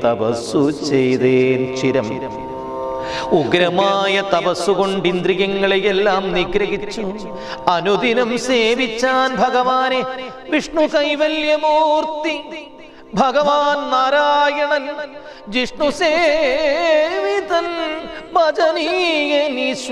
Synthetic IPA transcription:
t̪ɐpɐsut͡ʃejd̪eːnt͡ʃiɾɐm | uɡɾɐmaːjɐt̪ɐpɐsːukoɳɖind̪ɾiɣɐŋːɐɭejɛlːaːmniɡɾɐɦit͡ɕːu | ɐnud̪inɐmseːʋit͡ɕːaːnbʱɐɡɐʋaːne | ʋiʂɳukɐjʋɐljɐmoːɾt̪i | bʱɐɡɐʋaːnnaːɾaːjɐɳɐn | d͡ʑiʂɳuseː | ʋit̪ɐnbɐd͡ʒɐnijɐnis

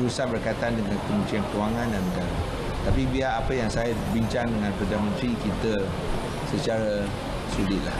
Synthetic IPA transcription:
ɾusaʔ̚bərkait̪aandəŋãnkəmə̃ɲt͡ʃiankəwaŋãndannəɡaɾa | t̪apibiaːpəjaŋsajabiɲt͡ʃaŋdəŋãnpɾadamə̃nt̪ɾikit̪ə | sət͡ʃaɾa | sulɪt̪̚lah

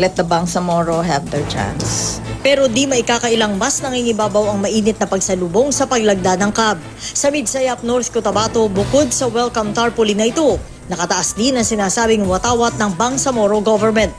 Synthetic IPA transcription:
lɛt̪̚d̪ɐbaŋsɐmoɹoɦɛvd̪ɛɹt͡ʃa̰nspɛɾo̞d̪imɐʔɪkaːkɐʔɪlaŋmɐsnɐŋiŋɪbaːbɐwɐŋmɐʔiːnɪt̪̚nɐpɐɡsɐlubo̞ŋsɐpɐɡ̚lɐɡ̚d̪anɐŋkab̚ | sɐmid̪sajap̚noɹθkʊt̪ɐbaːt̪o̞bʊko̞d̪̚sɐwɛlkɐmt̪aɹpʊlinɐʔɪt̪o̞ | nɐkɐt̪ɐʔasd̪inɐŋsɪnaːsaːbɪŋwɐt̪aːwɐt̪̚nɐŋbɐŋsɐmoɾoɡovɛɹmɛnt̪̚

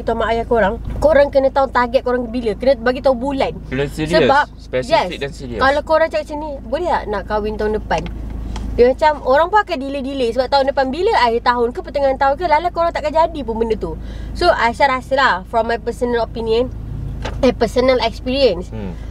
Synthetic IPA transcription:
it̪amaʔajakoɾaŋkoɾaŋkənət̪aʊnt̪aɡɛt̪̚koɾaŋkəbiləkənəbaɡit̪aʊnbulansiəbap̚ | jɛssiikalakoɾaŋt͡ʃakatsənibolɛɦanaʔkawɪnt̪aɦʊndəpanjəmat͡ʃamoɾaŋpuakandilədilesəbap̚t̪aɦʊndəpanbiləajət̪aɦʊnkəpət̪əŋãnt̪aʊnk̬əlalakoɾaŋt̪aʔkad͡ʒadipunbəndət̪usoʔaʃaɾhasəlafɹɔmːajpəsənəlopiniən | ajpəsənəlɛkspiɾiəns

